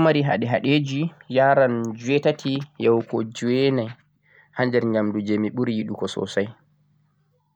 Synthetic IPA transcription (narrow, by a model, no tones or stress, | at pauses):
maɾiɦa̰ɗɛɦa̰ɗed͡ʒijaːɾand͡ʒuwɛtatʰijɛwkɔd͡ʒuwɛnɛ | hand͡ʒɛɾɲamdud͡ʒemiɓuɾjiɗukɔsɔ̰saj